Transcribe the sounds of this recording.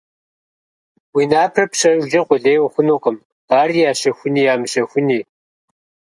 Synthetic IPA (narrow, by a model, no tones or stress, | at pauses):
wiːnaːpʰrɐpɕɐd͡ʒɐqʷʼʊɮeːjwxʷʊnuːqəm | aːriːjaːɕɐxʷʊniːjaːmɨɕɐxʷʊniː